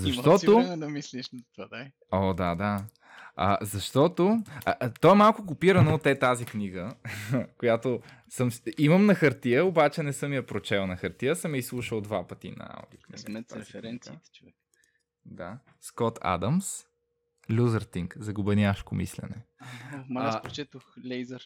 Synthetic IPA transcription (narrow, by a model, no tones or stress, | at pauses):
zɐʃt̪ɔt̪od̪ɐmisliʃt̪a | ɔd̪ad̪a | ɐ̰zɐʃt̪ɔt̪ot̪ɔɛmalˠkʊkʊpiɾɐnoot̪ɛt̪azikniɡə | kojat̪o | səmiməmnɐxəɾt̪iəobat͡ʃɛnɛsɤmijɐpɾot͡ʃɛlˠnɐxəɾt̪iəsəmjəislˠuʃəlˠd̪vapət̪ḭnɐ̰a̰wd̪ikniɛɛɾɛnit̪t͡ʃovɛ | d̪a | skɔt̪ʰa̰d̪ɐms | lʲuzəɾt̪iŋkzɐɡʊbɛnjaʃkomḭslɛ̰nɛmpt͡ʃɛt̪oxlɛjzəɾ